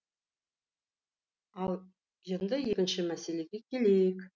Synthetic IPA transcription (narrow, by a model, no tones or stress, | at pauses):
ɑlˠ | je̞nd̪ɪje̞kʲɪnʃɪmæse̞le̞ɡʲe̞kʲʰe̞le̞jɪk